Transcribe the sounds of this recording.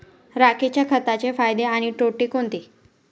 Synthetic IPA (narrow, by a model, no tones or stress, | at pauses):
ɾakʰet͡ɕjakʰət̪at͡ɕefajd̪eaɽ̃iʈoʈiːkont̪i